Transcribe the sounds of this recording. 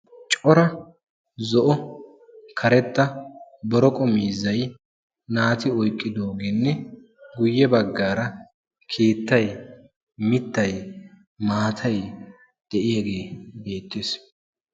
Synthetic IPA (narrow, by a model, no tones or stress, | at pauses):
t͡ʃʼɔɾɐ | zɔʔɔ | kʰɐɾɛt̪ːɐbɔɾɔkʼɔmiːzɐj | naːt̪ɪɔjkʼːɪd̪o̞ːɡeːnːɛ | ɡʊjːɛbɐɡːaːɾɐ | kʰeːt̪ːɐj | mɪt̪ːɐj | maːt̪ʰɐj | d̪̥ɛʔɪjaɡe̞ːbe̞ːt̪ːeːs